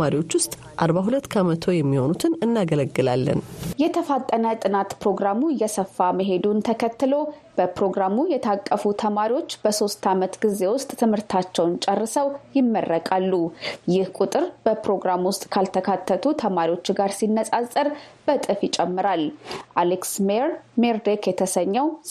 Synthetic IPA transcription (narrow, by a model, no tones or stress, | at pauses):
maɾiwot͡ʃːwʊst̪ʼ | ʔaɾbaɦulət̪ːkʰəmət̪ʰo̞jɛmːiho̞nut̪ʰɨnɨnːaɡələɡːɨlalːə̰njɛt̪ʰəfat̪ʼːənət̪ʼɨnat̪pɾo̞ɡɾamujɛsəfːaməɦe̞d̪unt̪ʰəkʰət̪ːɨlo̞b̥əpɾo̞ɡɾamujɛt̪ʰakʼːəfut̪ʰəmaɾiwo̞t͡ʃːb̥əso̞st̪ʰamət̪ɡɨze̞wʊst̪ʼt̪ʰɨmhɨɾt̪ʰat͡ʃːɛwnt͡ʃʼɛrːɨsəwjɪmːərːəkʼalːujɪhkʼut̪ʼɨɾb̥əpɾo̞ɡɾamwʊst̪ʼkʰalt̪ʰəkʰat̪ʰːət̪ʰut̪ʰəmaɾiwo̞t͡ʃːɡaɾsinːəsʼazʼəɾb̥ət̪ʼɨfjɪt͡ʃʼɛmːɨɾalʔaleksmeɾmeɾd̪ekjɛt̪ʰəsəɲːɛw